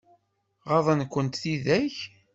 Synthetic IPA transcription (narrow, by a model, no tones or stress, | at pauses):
ʁɑðˤənkʷːənt̪θiðæç